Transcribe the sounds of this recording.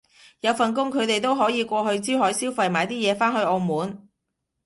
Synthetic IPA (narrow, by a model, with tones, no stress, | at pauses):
jɐ˨˧wfɐ˨nk̬ʊ˥ŋkʰɵ˨˧ɥt̪e˨jt̪̬o˥wɦɔː˨˥jiː˨˧kʷɔː˧ɦɵ˧ɥt͡siː˥whɔː˨˥jsiː˥wfɐ˨jmaː˨˧jt̪iː˥jɛː˨˧faː˥nhɵ˧ɥɔː˨˧muː˨˥n